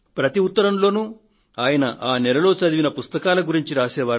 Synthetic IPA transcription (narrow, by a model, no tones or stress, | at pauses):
pɾɐt̪iut̪ːɐɾɐmlo̞ːnu | aːjɐnɐ̰ʔaːnɛlɐlo̞ːt͡ʃɐd̪iʋinɐpust̪ɐkaːlɐɡuɾiɲt͡ʃiɾaːsɛːʋaːɾ